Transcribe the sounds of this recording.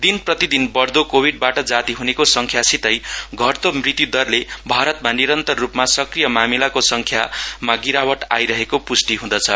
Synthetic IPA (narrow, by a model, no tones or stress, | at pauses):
d̪inprʌt̪id̪inbʌrd̪okobʱiɖ̚baʈʌd͡zat̪iɦunekosʌŋkʰjasit̪ʌjɡʱʌrt̪omrit̪jud̪ʌrlebʱaɾʌt̪̚maniɾʌnt̪ʌrːupmasʌkrijʌmamilakosʌŋkʰjamaɡiɾawʌʈa̰jɾʌɦekopusʈiɦũd̪ʌt͡sʰʌ